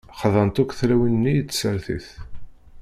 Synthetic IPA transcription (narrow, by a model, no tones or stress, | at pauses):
χəðˤɑnt̪ukʷːθɾæwənnːijət͡sːsəɾθḭθ